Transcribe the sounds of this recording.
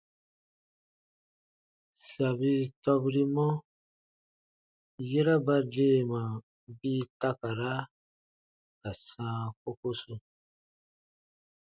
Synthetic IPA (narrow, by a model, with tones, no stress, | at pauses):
sa˨bi˦tɔ˧bi˦ɾi˦mɔ̃˦ | je˦ɾa˦ba˦de˦˨mã˨ | bi˦ta˦ka˨ɾa˦ | ka˨sãː˦ko˦ko˦su˧